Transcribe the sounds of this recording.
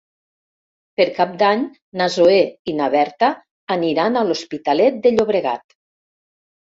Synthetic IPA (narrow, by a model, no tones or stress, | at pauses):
peɾkap̚d̪aɲ | nazoeinaβɛɾt̪aː | niɾanalospit̪alɛt̪̚d̪eʎoβɾeɣa̰t̪